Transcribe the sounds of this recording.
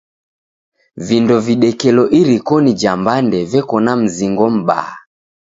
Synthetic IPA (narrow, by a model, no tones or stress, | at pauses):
vindɔviɗɛkɛlɔʔiɾikɔnid͡ʒambandɛvɛkɔnam̩ziŋɡɔm̩ɓa̰a